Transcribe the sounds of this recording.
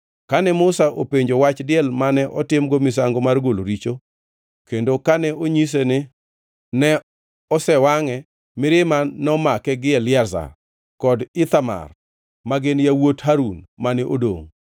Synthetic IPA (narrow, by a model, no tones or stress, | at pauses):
kanɛmʊsaʔopeɲd͡ʒowat͡ʃdɪɛlmanɛʔɔtɪmɡomɪs̬aŋɡɔmarɡolo̰ɾit͡ʃo | kendokanɛoɲis̬enɪ | nɛ | ɔsɛwaŋɛ | mɪɾɪmanɔmakɛɡɪɛlɪɛrza̰r | kɔdɪt̪ama̰r | maɡɪnjawothaɾunmanɛʔodo̰ŋ